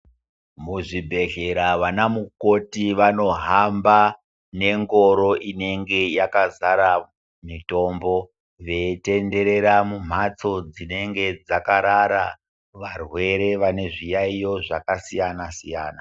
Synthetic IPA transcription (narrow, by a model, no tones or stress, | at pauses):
muʐibʱe̞ɮe̞ɾaʋanamukotiʋano̞ɦamba | ne̞ŋɡo̞ɾo̞ʔine̞ŋɡe̞jakazaɾa | mito̞mbo̞ | ʋe̞te̞nde̞ɾe̞ɾamum̤at͡so̞d͡zine̞ŋɡe̞d͡zakaɾaɾa | ʋarwe̞ɾe̞ʋane̞ʐijaijo̞ʐakasijanasijaːna